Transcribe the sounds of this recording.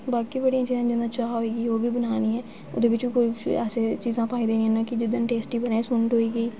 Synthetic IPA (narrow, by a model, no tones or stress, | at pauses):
baːkiːbəɽijãːt͡ʃiːzãːd͡ʒɪnd̪ãːt͡ʃaːaɦoiːɡəiːoːbiːbənaːniːɦɛː | ʊ̰d̪eːbɪt͡ʃbiːkoːiːɛːseːt͡ʃiːzãːpaːiːd̪eːniɛ̃ːnãːkɪd͡ʒɪd̪ənʈeːsʈiːbənaːeːsʊnəʈɦoːiːɡəiː